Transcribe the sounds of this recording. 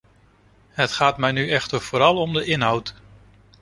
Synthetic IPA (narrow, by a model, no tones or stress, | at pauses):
ɦətχaːtmɛjnyʔɛχtəɹv̥oːɾɑlˠɔmdəʔɪnɦʌwt